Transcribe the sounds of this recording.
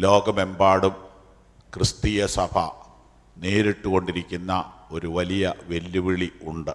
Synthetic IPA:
lo̞ːɡɐme̞mbaːɽum | krɨst̪iːjɐsɐbʰʱɐ̰ | neːɾiʈːuɣo̞ɳɖiɾikʲːunːɐo̞ɾuʋɐlijɐʋe̞lːuʋiɭiuɳɖɨ

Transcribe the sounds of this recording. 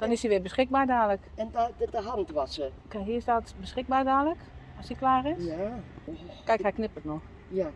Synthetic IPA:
d̥ɔnɪsiʋɪbəsxɪk̚baɹdaːləkɛnddəɦan̩twɔsəkɛɦiɪsdɔtbəsxɪk̚baːɹdaːlək | ɔsiklaːrɪsja | kɛjkhɛjknɪpətnɔx | ja

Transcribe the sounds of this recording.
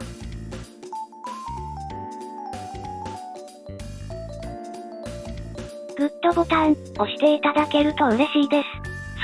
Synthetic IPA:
ɡ̥ɯ̟t̪ːo̞ɡo̞t̪ãɰ | o̞ɕi̥t̪e̞it̪ad̪ake̞ɾɯ̟t̪o̞ɯ̟ɾe̞ɕiːd̪e̞sɨ̥ | s

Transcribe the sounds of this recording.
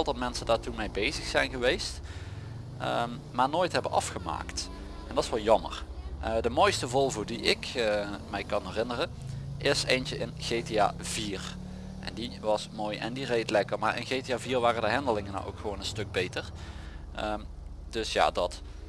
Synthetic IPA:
ɛlˠtdɑtmɛnsəndaːɹtunmɛjbejzəxsɛjnɣəʋejst | əm | maːɹnoːjtɦɛbənɑ̰fχəma̰ːkt | ʔɛndɑtɪsʋɑlˠjɑmə̰rʔədəmojstəvɔlˠvʊːdiɪkmɛjkɑnɦɛrɪnərənʔɪsejnt͡ʃəʔɪnɣejtea̰ːviːr | ʔɛ̰ndiʋɑsmoːjɛ̰ndirejtlɛkəɹmaːɹɪ̰nɣejteaːviːrʋaːrədəɦɛndəlɪŋəna̰wʔo̰wkxəʋownənstɵɡ̚bejtəɹ | əm | d̥ɵsja̰ːdɑt

